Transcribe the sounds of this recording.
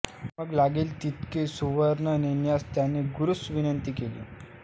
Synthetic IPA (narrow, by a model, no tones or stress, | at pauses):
məɡlaɡeːlt̪it̪kesuʋəɾnənenjast̪janeɡuɾut͡sʋinənt̪iːkelḭ